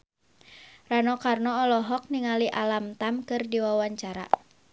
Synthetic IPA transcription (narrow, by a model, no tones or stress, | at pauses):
ranɔkarnɔːlɔɦɔk̚niŋaliʔalamt̪amkɨrdiwawaɲt͡ʃaɾa̰